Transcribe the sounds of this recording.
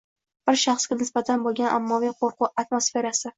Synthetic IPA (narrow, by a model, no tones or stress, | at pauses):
b̥ɪɾʃɑχskʲɪnɪsbat̪ʰanbolˠɡʲanʔamːɒvijqʰoɾquat̪mo̞sfe̞ɾasɪ